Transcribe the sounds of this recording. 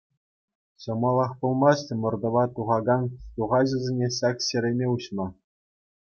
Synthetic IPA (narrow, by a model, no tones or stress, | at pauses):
ɕɤ̆mɑlˠɑχpulˠmɑɕtʲɤmɤ̆rd̪ɤ̆ʋɑt̪uʁɑɡɑnt̪uʁɑʑɘ̆zʲenʲeɕɑkɕeɾʲemʲeuɕmɑ